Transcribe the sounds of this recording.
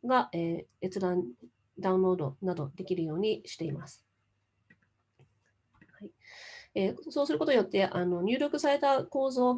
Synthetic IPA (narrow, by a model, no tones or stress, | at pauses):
ɡaʔeːet͡sɨd̪ãn | d̪aɯ̃nɾo̞ːd̪o̞nad̪o̞d̪e̞kʲiɾɯ̟jo̞ːɲ̟iɕi̥t̪e̞imasɨ̥ | haieso̞ːsɨɾɯ̟ko̞t̪ojo̞t̪ːe̞ʔano̞ɲ̟ɨ̟ːɾʲo̞kɯ̟saɾe̞t̪ako̞ːzo̞ː